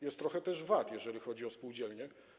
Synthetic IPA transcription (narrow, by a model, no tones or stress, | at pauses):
jɛst̪ːɾɔxɛt̪ɛʐvat̪jɛʐɛlʲixɔd͡ʑiɔspuwd͡ʑɛlɲɛ